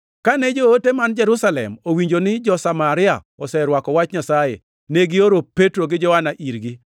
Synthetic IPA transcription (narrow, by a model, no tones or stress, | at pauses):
kanɛd͡ʒootemand͡ʒɛɾusalɛ̰mowiɲd͡ʒonɪd͡ʒɔsamaɾɪa̰ | ɔsɛɾwakɔwat͡ʃɲasajḛ | neɡɪoɾopetɾoɡɪd͡ʒɔhanaʔiɾɡi